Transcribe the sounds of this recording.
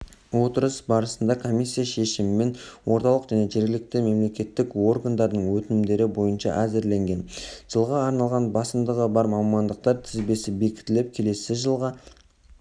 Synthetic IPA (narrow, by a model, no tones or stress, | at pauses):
wo̞t̪əɾəsbɑɾəsənd̪ɑkʰo̞mʲijsʲːijaʃe̞ʃɪmɪme̞nwo̞ɾt̪ɑlˠəqʒ̥æne̞ʒeɾɡʲɪlɪk̚t̪ɪme̞mle̞kʲe̞t̪ːɪko̞rɡand̪ɑɾd̪əɴwɵt̪ɪnɪmd̪e̞ɾɪbo̞jənʃɑ̰ʔæzɪɾle̞ŋɡʲe̞nʒ̥əlˠʁɑːɾnɑlˠʁɑnbɑsəmd̪əʁəbɑɾmɑmmɑnd̪əq̚t̪ɑɾt̪ʰɪzbe̞sɪbe̞kʲɪ̥t̪ɪlɪp̚kʲʰe̞le̞sɪʒəlˠʁɑ